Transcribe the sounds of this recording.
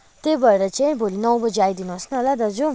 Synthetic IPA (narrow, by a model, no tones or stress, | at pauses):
t̪ebʌɾeɾʌt͡saj̃bʱolinʌwbʌd͡zeajd̪inuɦʌsnuɦolad̪ʌd͡zu